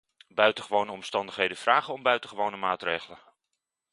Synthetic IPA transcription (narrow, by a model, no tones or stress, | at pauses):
bœɥtəχəʋownəɔmstɑndəχɦejdənvraːχənɔmbœɥtəχəʋownəmaːtrejχələ